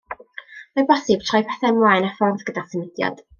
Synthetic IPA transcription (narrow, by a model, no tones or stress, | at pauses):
mɔjbɔsɨb̥̚tʰrɔjpʰɛθɛnmwajnafɔrðɡədasənɪd̥jɔ̰d̥